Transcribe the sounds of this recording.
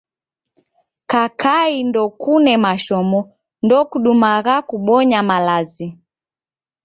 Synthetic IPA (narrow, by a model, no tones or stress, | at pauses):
kakʰaindɔkunɛmaʃɔmɔ | ndɔkuɗumaɣakuɓɔɲamalazi